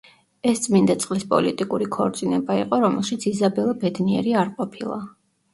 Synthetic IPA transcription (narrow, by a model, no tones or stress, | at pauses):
ɛst̪sʼmind̪at̪sʼqʼlispʼɔ̰lit̪ʼikʼuɾikʰɔɾt̪sʼinɛbaiqʼɔɾɔmɛlˠʃit̪sʰizabɛlˠabɛd̪niɛ̰ɾiaɾqʼɔpʰilˠa̰